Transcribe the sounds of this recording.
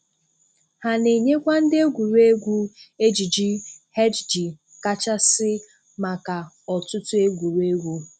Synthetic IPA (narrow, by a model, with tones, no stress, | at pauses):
ha˨ne˨ɲe˦kʷa˦n̩˦dɪ˦e˦ɡʷu˨ɾu˦e˦ɡʷu˦e˦d͡ʒi˨d͡ʒi˦he˦d͡ʒd͡ʒi˨ | ka˦t͡ʃa˦sɪ˦ | ma˨ka˨ | ɔ˨tʊ˦tʊ˦e˦ɡʷu˨ɾu˦e˦ɡʷu˦